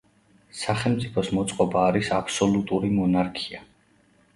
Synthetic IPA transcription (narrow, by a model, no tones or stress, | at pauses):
saχɛlˠmt̪sʼipʰɔsmɔt̪sʼqʼɔbaːɾisapʰsɔlut̪ʼuɾimɔnaɾkʰia